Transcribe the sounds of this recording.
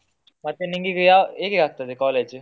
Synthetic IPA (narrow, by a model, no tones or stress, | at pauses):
mɐt̪ːeniŋɡikɯjaːeːkekaːk̚t̪ːɐðɯkaːleːd͡ʒ